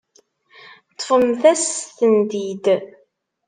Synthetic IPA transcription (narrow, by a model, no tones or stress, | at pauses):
t̪ˤːfəmθæsθənd̪id̪